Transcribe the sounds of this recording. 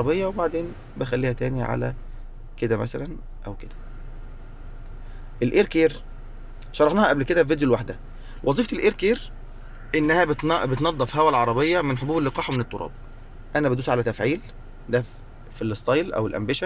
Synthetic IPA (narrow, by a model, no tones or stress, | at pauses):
ɾˤɑbejːɑwebaʕd̪eːn | bexælːiːhæt̪æːniʕa̰læ̰ | ked̪æmæ̰sælæn | ʔæwked̪̥æ̥ | ʔelʔeɾkeːɾ | ʃɑɾˤːɑħnɑːhɑʔæblked̪æved̪jolwaħd̪æ | wʔɑzˤiːft̪elʔeɾkeːɾ | ʔenːæhæbet̪bet̪nɑd̪ˤːɑfiɦæwælʕɑɾˤɑbejːɑmenħobuːbelːeqɑːħwmenet̪ˤːoɾˤɑ̰ːb̚ | ʔænæbed̪uːsʕalæt̪æfʕiːl | d̪æ | filːest̪ˤɑjlʔæ̰welʔæ̰mbeʃæ